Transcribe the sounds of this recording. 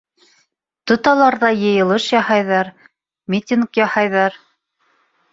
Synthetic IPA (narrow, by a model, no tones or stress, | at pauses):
t̪ŏt̪ɑlˠɑɾðɑjɤ̆jɤ̆lˠɤʃjɑhɑjðɑɾ | mʲit̪ʲinkjɑhɑjðɑɾ